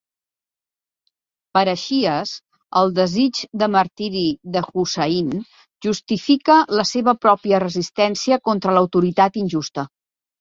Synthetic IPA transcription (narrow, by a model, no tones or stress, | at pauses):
pəɾəʃiəs | əlˠd̪əzid͡ʒd̪əməɾt̪iɾiðəxusəin | ʒust̪ifikələseβəpɾɔpiərəzist̪ɛnsiəkont̪ɾələwt̪uɾit̪at̪inʲʒust̪ə